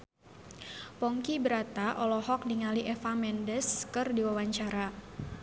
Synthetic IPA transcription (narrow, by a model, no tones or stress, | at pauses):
pɔŋkibəɾat̪aʔɔlɔhɔk̚diŋaliʔɛfamɛndəskɨrdiwawaɲt͡ʃaɾa